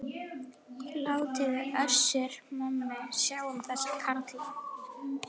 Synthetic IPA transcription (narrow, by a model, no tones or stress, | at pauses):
laːwt̪ʰɪðɪœɾ̥sɪɾmɔmːɪsjaːwʏmθɛskʰaɾt̪lɪ